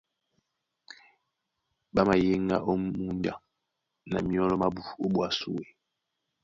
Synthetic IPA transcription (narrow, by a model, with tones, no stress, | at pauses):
ɓa˦ma˨je˦ŋɡa̰˦ʔo˦mu˦n˦da˨ | na̰˨mi˦ɔ˦lɔ˦ma˦bu˨o˦ɓwa˨sṵ˦we˨